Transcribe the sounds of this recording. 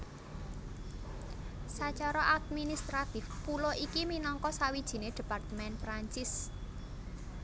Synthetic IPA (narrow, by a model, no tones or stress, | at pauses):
sat͡ʃaɾɔʔad̪̚minist̪ɾat̪ɪfpuloʔikiminɔŋkɔsawid̥ʒ̥i̤ned̪̥i̤part̪əmɛnpɾaɲt͡ʃɪs